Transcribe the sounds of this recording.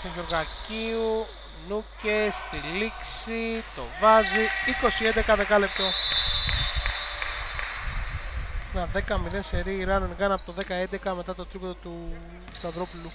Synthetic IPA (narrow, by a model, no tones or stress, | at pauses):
soʝoɾɣɐciu | nucest̪iliksit̪o̞vɐziiko̞siend̪e̞kɐðe̞kɐle̞p̚t̪o̞ | nɐðe̞kɐmiðenseɾiːɾɐnenɣɐnɐpot̪oðe̞kɐend̪ekɐme̞t̪ɐt̪o̞t̪ɾipoðot̪u | t̪uɐðɾo̞pulu